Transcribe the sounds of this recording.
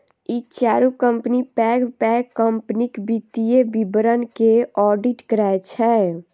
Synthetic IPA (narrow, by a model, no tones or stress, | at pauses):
it͡ʃaɾukəmpnipɛɡpɛkːəmpnikbit̪ijebibəɾənkeɔɖiʈkəɾaet͡ʃʰɛ